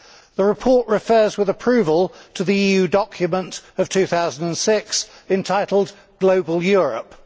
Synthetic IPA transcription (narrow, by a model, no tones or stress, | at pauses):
ðəɹɪpʰɔˑɹʔɹɪfɜːzwɪðəpʰɹ̥ʉːvəlˠtʰəðiiːjʉːdɒkʰjəmə̃ntəv̥tʰʉːθaʊzə̃n̩də̃nsɪksɨ̃ntʰaɪtˡl̩ˠd | ɡ̥ləʊbəlˠjɔːɹə̰p